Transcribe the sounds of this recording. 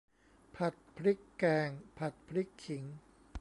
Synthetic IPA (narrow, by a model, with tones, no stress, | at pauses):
pʰa˨˩t̪̚pʰɾi˦˥kːɛː˧ŋpʰa˨˩t̪̚pʰɾi˦˥kʰːi˩˦ŋ